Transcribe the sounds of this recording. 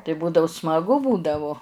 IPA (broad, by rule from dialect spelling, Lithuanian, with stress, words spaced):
tɐɪ ˈbuːdɐʊ smɐˈɡʊ ˈbuːdɐʋʊ